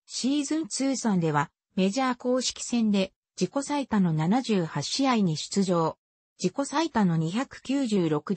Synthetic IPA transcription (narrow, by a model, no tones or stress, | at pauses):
ɕiːzɨ̃nt͡sɨːsãnd̪e̞β̞a | me̞ʑaːko̞ːɕi̥kʲi̥sẽ̞nd̪e̞ | d͡ʑiko̞sait̪ano̞nanaʑɨːhaɕiaiɲ̟iɕɨ̥t͡sɨʑo̞ː | d͡ʑiko̞sait̪ano̞ɲ̟içakɯ̟̥kʲɨːʑɨːɾo̞kɯ̟